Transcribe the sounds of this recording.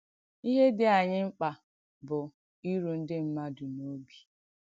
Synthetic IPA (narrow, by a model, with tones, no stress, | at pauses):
i˦ɦe˦dɪ˦a˨ɲɪ˦ŋ͡m̩˦k͡pa˨ | bʊ˨ | i˦ɾu˨n̩˦dɪ˦m̩˦ma˦dʊ˨no˦bi̥˨